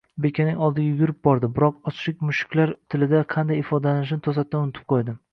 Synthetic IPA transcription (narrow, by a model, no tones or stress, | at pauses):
be̞kʲʰanɪŋɒlˠd̪ɪɡʲaʊjʲʊɾɪp̚bɒɾd̪ɪbɪɾɒqɒt͡ʃʃɪkʲmʊʃɪ̥kʰʲlaɾt̪ʰɪlɪd̪aqʰɑnd̪ajɪfɒd̪alanɪʃ̬ɪnɪt̪ʰosat̪ːanʊnɪt̪ʰɪ̥p̚qʰojd̪ɪ